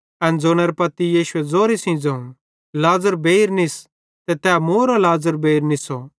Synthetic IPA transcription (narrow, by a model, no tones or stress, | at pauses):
ɛ̃nd͡zoːnɛɾɛpɐt̪ːijiːʃʊɛd͡zoːɾisĩːd͡zɐ̃ũ | laːzəɾbeːiɾnɪs | t̪ɛt̪ɛːmoːɾolaːzəɾbeiɾnɪsɔ